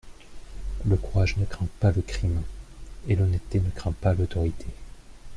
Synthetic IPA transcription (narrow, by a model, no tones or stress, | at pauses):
ləkuʁaʒnəkχɛ̃paləkχim | elɔnɛtt̪ːenəkχɛ̃palot̪ɔʁit̪ʰe